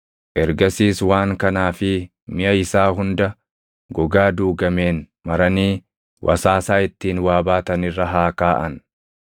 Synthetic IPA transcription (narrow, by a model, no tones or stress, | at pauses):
ʔɛɾɡɐsiːswaːŋkɐnaːfɪ | mɪɐɪsaːɦʊnd̪ɐ | ɡɔɡaːd̪uːɡɐme̞ːn | mɐɾɐniː | wʔɐ̰saːsaːɪt̪ːiːnwaːbaːt̪ɐnɪrːɐɦaːkaːʔɐ̰n